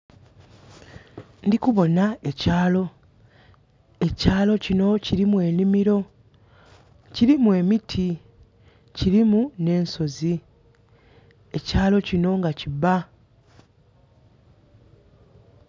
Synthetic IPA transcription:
ndikuβo̞naecaːlo̞ | e̞caːlo̞cino̞ciɾimwe̞ːnimiɾo̞ | ciɾimwe̞mitʰi | ciɾimune̞ːnso̞zi | e̞caːlo̞cino̞ŋɡaciba

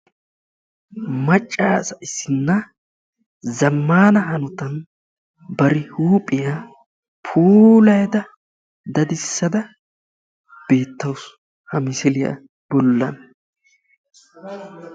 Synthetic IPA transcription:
mɐt͡ʃʼːaːsɐʔɪsːɪnːɐ | zɐmːaːnɐhɐnɔt̪ɐn | bɐɾɪhuːpʼːɪja | pʰuːlɐjd̪ɐ | d̪ɐd̪ɪsːɐd̪ɐ | b̥e̞ːt̪ːɐwʊs | hɐmɪsɪlɪjɐ̰ | b̥ɔlːɐn

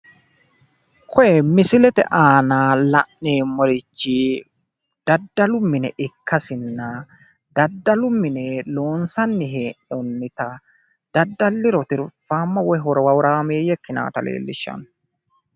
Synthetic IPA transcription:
kʰɔjɛmɪsɪlɛt̪ɛ̰ʔaːnaːlɐʔneːmːɔɾɪt͡ʃːi | d̪̥ɐd̪ːɐlʊmːɪnɛʔɪkʰːɐsɪnːɐ | d̪̥ɐd̪ːɐlʊmːɪnɛlo̞ːnsɐnːɪɦeːʔɔnːɪt̪ɐ | d̪̥ɐd̪ːɐlːɪɾɔt̪ɪɾfaːmːɐwɔjɦɔɾɔwɐwɾaːmeːjɛkːɪna̰ːt̪ɐlḛːlːɪ̰ʃːɐ̰n

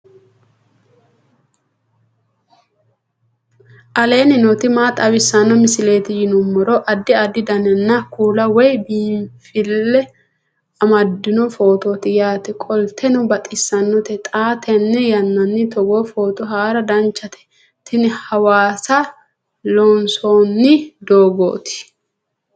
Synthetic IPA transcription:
ʔɐle̞ːnɪnɔt̪ɪmaːt̪ʼɐwɪsːɐnːɔmɪsɪle̞ːt̪ɪjɪnʊmːɔɾɔʔɐd̪ːɪɐd̪ːɪd̪ɐnɛnːɐkuːlɐwɔjbiːmfɪlːɛ | ɐmɐd̪ːɪnɔfo̞ːt̪ot̪ɪjaːt̪ɛkʼɔlt̪ʰɛnʊbɐt̪ʼɪsːɐnːɔt̪ɛt̪ʼaːt̪ʰɛnːɛjɐnːɐnːɪt̪ɔɡofoːt̪ɔɦaːɾɐd̪ɐnt͡ʃːɐt̪ʰɛ̥ | t̪ɪnɛhɐwaːsɐ | lɔnsoːnːɪd̪oːɡo̰ːt̪ɪ̥

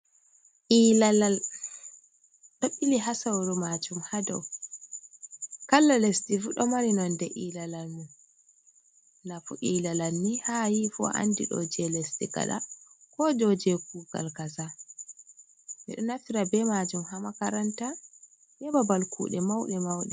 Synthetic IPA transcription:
ʔiːlalal | ɗɔɓiliɦasawɗɔmad͡ʒumhadɔw | kalːalestifuɗɔmaɾinɔndɛʔilalalmun | nafuʔiːlalalnihajifɔ̰ʔa̰ndiɗɔ̰d͡ʒɛlestiɡa̰ɗa̰kɔd͡ʒɔd͡ʒɛkuɡa̰lkasa | mɛ̰ɗɔnafiɾabɛmad͡ʒumhamakaɾanta | jɛbabalkʰṵːɗɛmawɗɛmawɗɛ

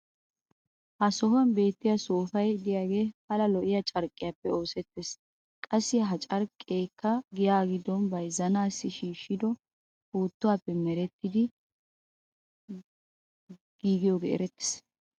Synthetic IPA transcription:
hɐsɔhʊɐnbe̞ːt̪ːɪjasoːfɐjd̪ɪjaːɡe̞ːpɐlɐlɔʔɪjat͡ʃʼɐɾkʼːɪjaːpːɛo̞ːsɛt̪ːeːs | kʼɐsːɪɦɐt͡ʃʼɐɾkʼːeːkːɐɡɪjaːɡɪd̪ːɔnbɐjzɐnaːsːɪʃiːʃːɪd̪ɔ | huːt̪ːʊwaːpːɛmɛɾɛt̪ːɪd̪ɪ | ɡ̥iːɡɪjoːɡḛɛ̰ɾɛt̪ːɪ̥s

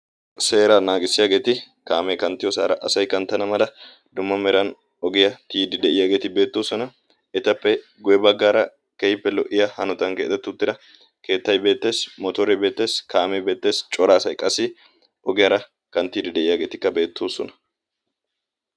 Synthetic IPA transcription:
se̞ːɾɐnaːɡɪsːɪjaːɡe̞ːt̪ɪ | kaːmɛkɐnt̪ːɪjɔsa̰ːɾɐʔɐsɐjkɐnt̪ːɐnɐmɐlɐ | d̪ʊmːɐmɛɾɐn | ɔɡɪjɐt̪iːd̪ɪd̪ɛʔɪjaːɡe̞ːt̪ɪbe̞ːt̪ːoːsɔnɐ | ɛt̪ɐpːɛ | ɡʊjɛbɐɡːaːɾɐ | kɛjɪpːɛlɔʔɪjɐhɐnʊt̪ɐŋkeːt̪ːɛt̪ːʊt̪ːɪd̪ɐ | ke̞ːt̪ːɐjbe̞ːt̪ːe̞ːsmɔt̪ɔɾɛbe̞ːt̪ːe̞ːskaːmɛbe̞ːt̪ːe̞ːst͡ʃʼɔɾaːsɐjkʼɐsɪ | ʔɔɡɪjɐɾɐ | kɐnt̪ːiːd̪ɪd̪ɛʔɪjaːɡe̞ːt̪ɪkːɐbe̞ːt̪ːoːsɔnɐ̥

